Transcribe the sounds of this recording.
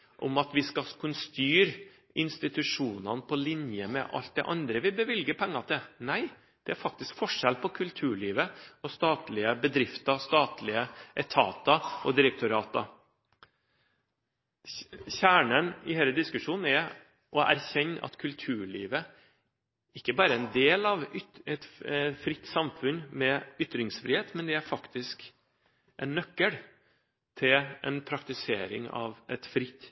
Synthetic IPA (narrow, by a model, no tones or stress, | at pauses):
ʔɔ̰mɑt̪ʋɪskɑkʰʉnst̪yːɾ | ɪnst̪ɪt̪ʉʂuːnɑnpʰɔlɪnjəmɛ̰ʔɑ̰lt̪̚d̪ɛ̰ʔɑnd̪ɾəʋɪbəʋɪlɡəpʰɛŋːɑt̪ʰɪlnæɪ | d̪̥ɛæɾfɑk̚t̪ɪskfɔʂɛlpʰɔkʰʉlt̪ʰʉːɭiːʋəɔst̪ɑːt̪lɪəbəd̪ɾɪft̪ɑst̪ɑːt̪lɪəʔɛt̪ʰɑ̰ːt̪ɑʔɔd̪ɪɾək̚t̪ʊɾɑːt̪ɑ | çæːɳənɪheɪləd̪ɪskʉʂuːnn̩ɛ | ʔɔʔæ̰ɾçɛnːʔɑ̰t̪kʰʉlt̪ʰʉːɭiːʋə | ɪkːəbɑːɾəɛnd̪eːlɑʋʏɛt̪fɾɪt̪ːsɑmfʉnmɛʏt̪ɾɪŋsfɾɪːheːt̪mɛnd̪ɛæɾfɑkt̪ɪsk | ʔɛnːœkːəɽ | t̪ʰɪlʔɛ̰npʰɾɑkt̪ɪseːɾɪ̰ŋɑ̰ʋʔɛt̪fɾɪt̪ː